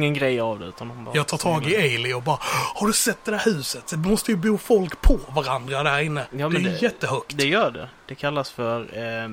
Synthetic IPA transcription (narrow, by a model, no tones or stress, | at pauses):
ŋːənɡɾɛjavd̪ɛʉ̟ːt̪and̪ɔmb̰ːjɑːɡt̪ʰɑːʈ̪ʰɑːɡɪeɪlɪɔbɑːɾahaɖɵsɛt̪̚d̪ɛdæːɾhʉ̟ːsət̪mɔst̪əjɵbuːfɔlkpʰɔvaɾand̪ɾad̪æɾɪnːəjɑːmɛnɛjdjɛt̪ːəhɵk̚t̪d̪ɛjœːɖɛ̰d̪̥ɛkʰalːasfœɾ